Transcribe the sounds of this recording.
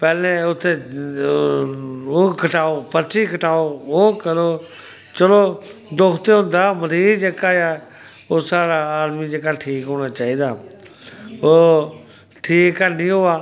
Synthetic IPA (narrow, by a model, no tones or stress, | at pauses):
pɛːlẽʊt̪ʰːeː | oːkʰəʈaːoːpət͡ʃiːkʰəʈaːoːoːkəɾoː | t͡ʃəloːd̪ʊkʰt̪eʊ̃nd̪aːməɾiːd͡ʒeːkaːja | oːsaːɾaːaːd̪miːd͡ʒeːkaːʈʰiːkɦoːɽaːt͡ʃaːiːd̪aː | oː | ʈʰiːkːənĩːɦʊːaː